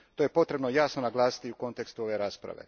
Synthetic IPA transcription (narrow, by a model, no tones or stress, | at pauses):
t̪oːje̞po̞t̪ɾe̞bnojaːsnonaɡlˠaːsi̥t̪iuko̞nt̪e̞kst̪uo̞ʋe̞ɾaːspɾa̰ʋḛ